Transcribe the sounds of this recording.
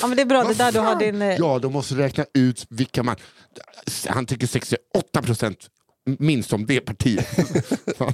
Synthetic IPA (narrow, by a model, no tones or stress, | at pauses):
ɑːmɛnd̪ɛːbɾɑːd̪ɛd̪æːdɵɦaɖɪnjɑːd̪ɔmːɔst̪əɾɛːknaʉ̟ːt̪vɪkːaman | ha̰nt̪ʰʏkːəʂɛkst̪ɪɔt̪ːapʰɾʊsɛnt̪ | mɪnst̪ɔmveːpʰaʈʰiːət̪ː